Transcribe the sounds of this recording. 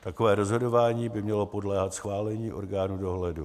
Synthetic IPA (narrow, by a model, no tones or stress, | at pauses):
t̪ako̞vɛːɾozɦo̞do̞vaːɲiːbɪmɲɛlo̞po̞dlɛːɦat̪sxvaːlɛɲiːʔo̞̰ɾɡaːnuːdo̞ɦlɛdu